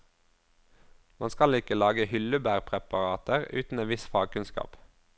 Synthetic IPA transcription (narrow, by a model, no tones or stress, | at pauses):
mɑnskɑlɪkəlɑːɡəhʏləbæːʁpʰʁɛpɑʁɑːt̪əʁʉ̰ːt̪n̩eːnʋɪsfɑːɡ̚kʉnskɑ̰ːp